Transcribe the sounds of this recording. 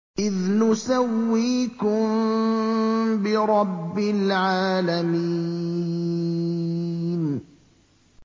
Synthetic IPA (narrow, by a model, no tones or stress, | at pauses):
ʔɪðnʊsawːiːkʊm | bɪɾˤɑbːɪlʕaːlami | n